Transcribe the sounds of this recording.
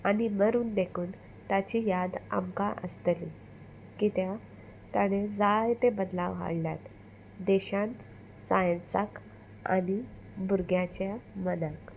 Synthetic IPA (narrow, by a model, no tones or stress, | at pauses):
animəɾuːnd̪ekʰuːn | t̪at͡ɕijad̪a̰mkaʔə̰st̪əli | kit̪ja | t̪aɽ̃ed͡zajt̪ebəd̪laʋɦa̰ɽlja̰t̪ | d̪eɕãnt̪ | sajənsak | a̰ni | buɾɡjat͡ɕjamənak